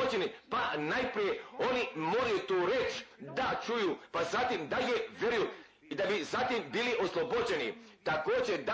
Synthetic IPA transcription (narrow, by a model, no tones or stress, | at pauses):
od͡ʑenipanajpɾije̞onimo̞ɾajut̪uːɾet͡ʃd̪at͡ʃujuːpazat̪imd̪ajeʋjeɾuju | id̪abizat̪imbiliʔo̞slˠobod͡ʑe̞nḭt̪ako̞ːd͡ʑe̞d̪a